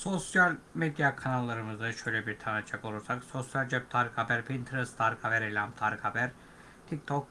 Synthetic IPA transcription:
so̞sjalʲmed̪jakʰanalˠːaɾɯmɯzɯʃø̞jlʲɛbiɾt̪ʰanat͡ʃʰːakolˠuɾsakso̞sjalʲd͡ʒɛp̚t̪ʰaɾkʰhabæɾpʰint̪ʰɾɯst̪ʰaɾkʰabæɾelʲamt̪ʰaɾkʰhabæɾ | t̪ʰik̚t̪ʰok̚

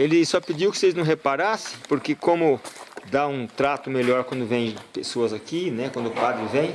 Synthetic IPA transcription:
elɪsɔpɪd͡ʒiwkɪ̥sejznɐ̃w̃ɦepaɾasẽ̥j̃poɾkekõmʊd̪aũt̪ɾat̪ʊmelɔɾkwɐ̃nd̪ʊvẽj̃pesoɐzakinɛkwɐ̃nd̪ʊpad̪ɾɪvẽj̃

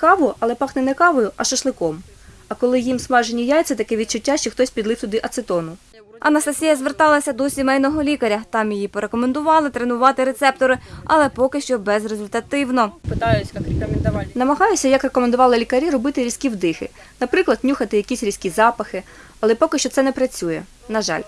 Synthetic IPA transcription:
kɑʋʊɐlˠɛpɑxnɛnɛkɑʋɔjʊʔɐʃɐʃlˠɪkɔm | ɐkɔlˠɪjimsmɑʒenʲijajt̪sʲɛt̪ɐkɛʋʲid̪̚t͡ʃʊtʲːaʃt͡ʃɔxt̪ɔsʲpʲid̪lˠɪft̪ʊd̪ɪʔɐt̪sɪt̪ɔnʊ | ɐ̰nɐst̪ɐsʲijɐzʋert̪ɑlˠɐsʲɐd̪ɔsʲimɛjnɔɦɔlʲikɐɾʲɐt̪ɑmjijipɔɾe̞kɔmend̪ʊʋɑlˠɪt̪ɾenʊʋɑt̪ɪɾe̞t̪sɛp̚t̪ɔɾɪɐ̰lˠɛpɔkɪʃt͡ʃɔbɛzrezʊlʲt̪ɐt̪ɪwnɔpɪt̪ɑjʊsʲkɑkɾʲekɔmʲend̪ɐʋɑnɐmɐɦɑjʊsʲɐjɐkrekɔme̞nd̪ʊʋɑlˠɪlʲikɐɾʲiɾɔbɪt̪ɪɾʲisʲkʲiwd̪ɪxɪ̰ | nɐpɾɪklˠɐd̪̚nʲuxɐt̪ɪjɐkʲisʲɾʲisʲkʲizɑpɐxɪ | ɐlˠɛpɔkɪʃt͡ʃɔt̪sɛnɛpɾɐt͡sʲujɛ | nɐʒɑ̰lʲ

